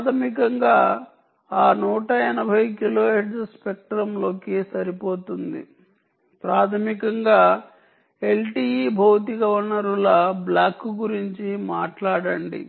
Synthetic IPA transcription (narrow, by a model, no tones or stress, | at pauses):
t̪ʰɐmikɐŋɡaː | aːnuːʈɐinɐbʱɐjkiloːɦeʈsspek̚ʈɾɐmlo̞ːkisɐɾipo̞ːt̪und̪ḭ | pɾaːt̪ʰɐmikɐŋɡaː | e̞lʈiːibʱɐwt̪iɡɐʋɐɾnɐɾulaːblaːkːuɡuɾiɲt͡ʃimaːʈlaːɽɐɳɖḭ